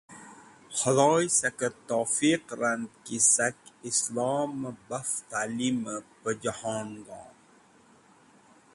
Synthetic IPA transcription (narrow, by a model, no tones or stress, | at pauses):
hɐlɔːjsɐkət̪ɔːfiqɾand̪kisɐkislɑːmbɐft̪aːlimpəd͡ʒɐhɑːnɡɑ̰̃ːn